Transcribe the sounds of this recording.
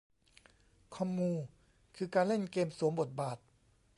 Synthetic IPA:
kʰɔ˧˥mːuː˧n | kʰɯː˧kaː˧nle˥˩nkeː˧msu˩˦mbo˨˩t̪̚baː˨˩t̪̚

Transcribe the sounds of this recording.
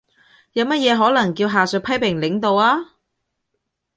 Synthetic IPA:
jɐ˨˧wmɐ˥t̚jɛː˨˧ɦɔː˨˥lɐ˨˩ŋkiː˧wɦaː˨sɵ˨pʰɐ˥jpɪ˨˩ŋlɪ˨˥ŋt̪o˨˧waː˥

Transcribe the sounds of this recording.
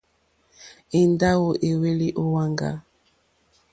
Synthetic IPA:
e˨nda˦wo˨ʔe˨we˦li˦ʔo˦wa˦ŋɡa̰˦

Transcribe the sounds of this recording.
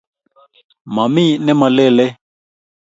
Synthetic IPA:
ma˨mi˦nɛ̃˦mã˨lɛ˦˨lɛ˦

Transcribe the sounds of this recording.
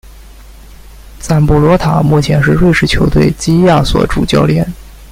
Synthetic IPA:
t͡sa˥˩npu˥˩lwɔ˧˥t̪ʰa̰˨˩mu˥˩t͡ɕʰjɛ˧˥nʂɻ̩˥˧ɻwe˥˧ɪʂɻ̩˥˩t͡ɕʰjo˧˥ʊt̪we˥˩ɪt͡ɕi˥ja˥˩swɔ̰˨˧˩ʈ͡ʂṵ˨˩t͡ɕjɑ˥˧ʊljɛ̰˥˩n

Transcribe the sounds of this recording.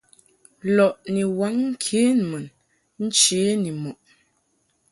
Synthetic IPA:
lɔ˨ʔni˨wa˨˦ŋŋ̩˦kʰe˨˦n˨mə˨n | n̩˦t͡ʃeː˨˦ni˨mɔ˨ʔ

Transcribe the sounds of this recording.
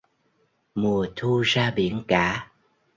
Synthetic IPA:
mu˨˩ət̪ʰu˧zaː˧ɓḭ˧˩˦ənkaː˧˥˦

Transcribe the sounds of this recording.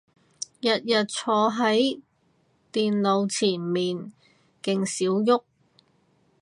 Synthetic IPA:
jɐ˨t̚jɐ˨t̚t͡sʰɔː˧ɦɐ˨˥j | t̪iː˨nlo˨˧wt͡sʰiː˨˩nmiː˨n | kɪ˧ŋsiː˨˥wjʊ˥k̚

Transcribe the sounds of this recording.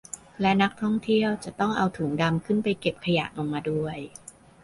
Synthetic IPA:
lɛ˦˥na˦˥k̚t̪ʰɔ˥˩ŋt̪ʰi˥˩əwt͡ɕa˨˩t̪ɔ˥˩ŋʔa˧wt̪ʰuː˩˦ŋda˧mkʰɯ˥˩npa˧jke˨˩p̚kʰa˧ja̰˨˩ʔlo˧ŋmaː˧du˥˩əj

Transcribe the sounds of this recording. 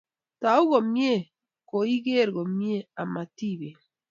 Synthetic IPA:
ta˨u˦ɣɔ˨mje˦ | ko˨i˦ɣe˦ɾɣo˨mje˦a˨ma˨ti˦βe˨

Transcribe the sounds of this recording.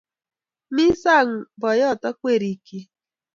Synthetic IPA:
mi˦sa˦˨ŋ̩˨bɔ˨jɔ˦˨tɔ˦kʷe˦˨ɾi˨ke˦

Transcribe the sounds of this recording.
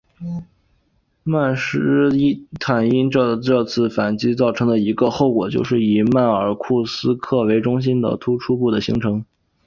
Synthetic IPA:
ma˥˩nʂɻ̩˥i˥t̪ʰa˨˩ni˥nʈ͡ʂɤ˥˧ʈ͡ʂɤ˥˧t͡sʰɹ̩˥˩fa˨˩nt͡ɕi˥t͡sɑ˥˩ʊʈ͡ʂʰɤ˧˥ŋd̪ə˧i˧˥ɡə˧xo˥˩ʊkwɔ˨˩t͡ɕjo˥˧ʊʂɻ̩˥˩i˨˩ma˥˩ə˞˨˩kʰu˥˩sɹ̩˥kʰɤ˥˩we˧˥ɪʈ͡ʂʊ˥ŋɕ̬i˥nd̪ə̰˨t̪ʰu˥ʈ͡ʂʰu˥pu˥˩d̪ə˩ɕḭ˧˥ŋʈ͡ʂʰɤ˧˥ŋ

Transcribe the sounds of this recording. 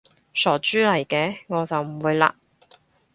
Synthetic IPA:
sɔː˨˩t͡ʃyː˥lɐ˨˩jkɛː˧ŋɔː˨˧t͡sɐ˨wm̩˨˩wuː˨˧jla̰ː˧

